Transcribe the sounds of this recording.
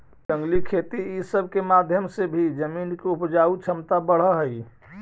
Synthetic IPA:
d͡ʒə̃ŋɡlikʰet̪iisəb̚ʱkemad̪ʱjəmsebʱid͡ʒəmiːnkeupd͡ʒaut͡ʃʰəmt̪abəɽ̤əɦəj

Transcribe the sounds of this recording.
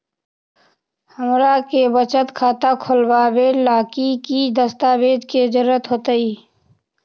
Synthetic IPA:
həmɾakebət͡ʃət̪kʰaːt̪akʰʊlbaːbelaːkikid̪əst̪aːbeːd͡ʒked͡ʒəɾːət̪ɦoːt̪əiː

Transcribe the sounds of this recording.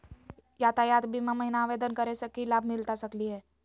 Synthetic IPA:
jaːt̪ajaːt̪bʱimãməɦinaːʋed̪ənkəɾesəkilaːbʱmɪlt̪asəkliɦɛː

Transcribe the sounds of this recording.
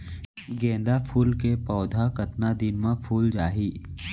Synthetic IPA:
ɡɛ̃ːnd̪apʰuːlkepɔːd̪ʱakɐt̪nad̪ɪnmãpʰuːld͡ʒaːɦiː

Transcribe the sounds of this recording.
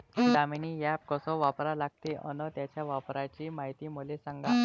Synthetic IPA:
d̪aminijap̚kəsɔ̃ʋapɾalaɡ̚t̪eʔənət̪jat͡ɕjaʋapɾat͡ɕiːmaɦit̪iːmulesãŋɡa

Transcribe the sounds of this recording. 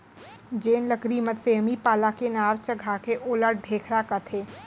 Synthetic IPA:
d͡ʒeːnləkɾimət̪seːmipaːlakenaːɾt͡ʃəɡʱakeʔoːləɾɖʱeːkʰɾakət̪ʰeː

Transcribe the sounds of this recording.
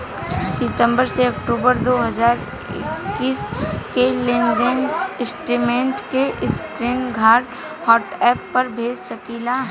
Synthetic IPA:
sɪt̪ə̃mbəɾseɐkʈuːbəɾd̪oːɦəzaːɾ | ɪ̰kkːiːskelẽnd͡ʒɪnɪsʈɾimẽːɳʈkeʔskɾiːnɡʱaːɾɖ | hɔːʈɛːpːɐɾbʱeːd͡ʒʃəkiːlaɦ

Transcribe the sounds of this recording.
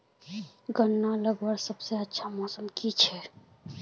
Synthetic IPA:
ɡənːaləɡwəɾsəbseətːʃʰamɔːsəmkit͡ʃʰɛ

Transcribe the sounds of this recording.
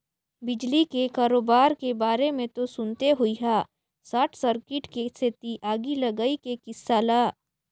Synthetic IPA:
bɪd͡ʒlikekaːɾoːbaːɾkebaːɾemẽt̪osʊnt̪eɦʊiɦaː | saːʈʰsəɾkɪʈkeset̪iʔaːɡilɐɡaikekɪsːaːlaː

